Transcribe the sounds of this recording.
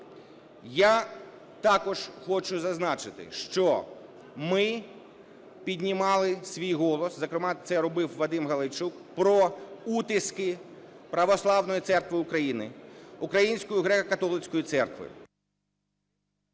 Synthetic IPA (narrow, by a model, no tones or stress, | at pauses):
ja | t̪ɑkɔʒ̥xɔt͡ʃʊzɐznɑt͡ʃɪt̪ɪ̰ʃt͡ʃɔ | mɪ | pʲidʲnʲimɑlˠɪsʲʋʲijɦɔlˠɔszɐkɾɪmɑt̪sɛɾɔbɪwʋɐd̪ɪmɦɐlˠɪt͡ʃuk | pɾɔut̪ɪskɪ | pɾɐʋɔslˠɑʋnɔjit̪sɛrkʋɪʊkɾɐjinɪʊkɾɐjinʲsʲkɔjʊɦɾɛkɐkɐt̪ɔlˠɪt͡sʲkɔjit̪sɛrkʋɪ̰